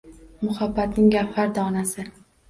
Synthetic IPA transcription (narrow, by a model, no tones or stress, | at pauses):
mʊχabːat̪nɪŋɡʲapfaɾd̪ɒːnasɪ